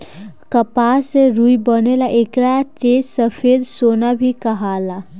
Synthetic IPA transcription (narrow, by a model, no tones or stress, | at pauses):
kəpaseɾujbənelaʔekɾaʈessəpʰed̪sonabʱikəɦala